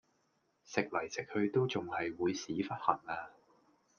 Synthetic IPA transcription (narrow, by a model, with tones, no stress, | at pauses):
sɪ˨k̚lɐ˨˩jt͡sɪ˨k̚hɵ˧ɥt̪o˥wt͡sʊ˨ŋhɐ˨jwuː˨˧jsiː˨˥fɐ˥t̚hɐ˨˩ŋaː˧